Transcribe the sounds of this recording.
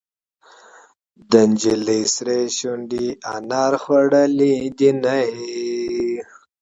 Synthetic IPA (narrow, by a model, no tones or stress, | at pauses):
d̪ənd͡ʒilisɾeɕuɳɖianɑɾxwaɽəlid̪inaj